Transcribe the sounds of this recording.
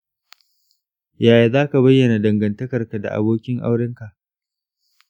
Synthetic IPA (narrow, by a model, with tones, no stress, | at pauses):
jaː˨ja˨zaː˦ka˨bɐ˦jːɐ˨na˨dɐ˨ŋɡɐ˨ntɐ˦kɐ˨rka˨da̰˨ʔa̰˨boː˦kʲɪ˦ŋʔa̰˦wɽɪ˦ŋka˨ʔ